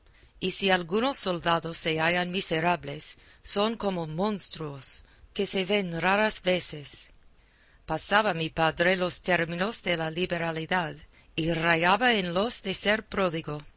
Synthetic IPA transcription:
isialɡunosːo̞ld̪aðosːeajanmiseɾaβle̞sː | o̞ŋko̞momõ̞nst̪ɾuoske̞se̞βe̞nraɾasveses | pasaβamipaðɾe̞lost̪e̞ɾmino̞sðe̞laliβeɾaliðað | irajaβaenlosðeseɾpɾoðiɡo

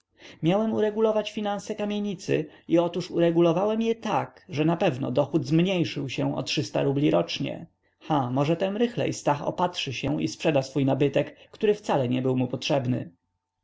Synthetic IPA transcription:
mʲjawɛmuɾɛɡulɔvat͡ɕfʲinañsɛkamʲjeɲit̪sɘ̰iɔt̪uʂuɾɛɡulɔvawɛmjɛt̪akʐɛnapɛvnɔ̰d̪ɔxud̪zmɲejʂɘwɕɛw̃ɔ̰tʂɘst̪a̰ɾublʲiɾɔt͡ʂɲɛ̰ | xamɔʐɛt̪ɛnɾɘxlɛ̰jst̪axɔ̰patʂɘɕɛw̃ḭspʂɛd̪asfujnabɘt̪ɛkːt̪uɾɘft̪salɛɲɛbɘwmupɔtʂɛbnɘ̰

